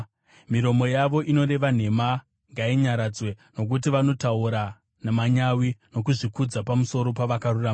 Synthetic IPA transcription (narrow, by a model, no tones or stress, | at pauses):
miɾo̞mo̞jaʋo̞ʔino̞re̞ʋan̤e̞ma | ŋɡaiɲaɾad͡zwe̞no̞k̬ut̬iʋano̞tauɾa | namaɲawino̞kuʐikud͡zapamuso̞ɾo̞paʋakarurama